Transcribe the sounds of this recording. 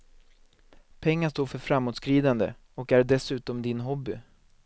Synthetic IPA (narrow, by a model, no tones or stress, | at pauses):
pʰɛŋːaʂt̪oːɾfœɾfɾamːuːt̪skɾiːd̪and̪ə̰ | ɔkæɖɛsʉ̟ːt̪ɔmd̪ɪnɦɔbːɪ